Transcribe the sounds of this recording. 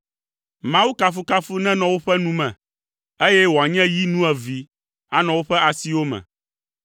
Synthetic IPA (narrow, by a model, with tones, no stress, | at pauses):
mã˦wu˦ka˨fu˦ka˦fu˦nɛ̃˦nɔ̃˨wo˦ɸɛ˦nũ˦mɛ̰̃˨ | e˦jɛ˦wo˨a˨ɲɛ̃˦ji˦nũ˦ɛ˨vi˨ | a˦nɔ̃˨wo˦ɸɛ˦a˨si˦wo˦mɛ̰̃˨